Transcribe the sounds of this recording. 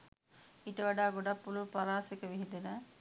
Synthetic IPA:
iʈəʋaɖaːɡoɖapːulupaɾaːsekəʋiɦind̪enə

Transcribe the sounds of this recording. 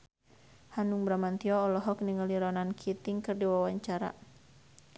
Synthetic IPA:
hanuŋbɾamant̪iɔːlɔɦɔkniŋəliɾɔnankʰit̪iŋkɨrdiwawaɲt͡ʃaɾa̰

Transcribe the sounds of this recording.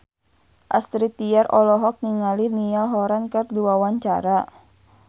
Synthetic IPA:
ʔast̪ɾit̪iarʔɔlɔɦɔk̚niŋalinialɦɔɾankərduawaɲt͡ʃa̰ɾa

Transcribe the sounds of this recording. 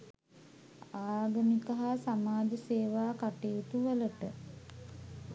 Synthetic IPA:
aːɡəmikəɦasamaːd͡ʒəseːʋaːkaʈejut̪uʋələʈə

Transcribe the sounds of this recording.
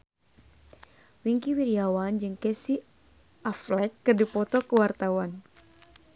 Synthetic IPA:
wiŋkiwiɾiawand͡ʒɨŋkɛsi | ʔaflɛkːɨrdipɔt̪ɔkəwart̪awan

